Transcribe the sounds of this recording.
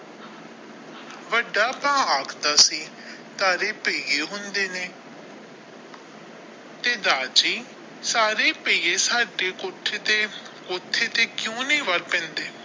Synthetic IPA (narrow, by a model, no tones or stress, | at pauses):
ʋəɖaːpãːaːkʰd̪aːsiː | t̪aːɾeːpeieːɦʊnd̪eːneː | t̪eːd̪aːd͡ʒiː | saːɾeːpeeːsaːɖeːkʊt̪ʰːeːt̪eː | kʊt̪ʰːeːt̪eːkjõːnĩːʋəɾpɛ̃ːnd̪eː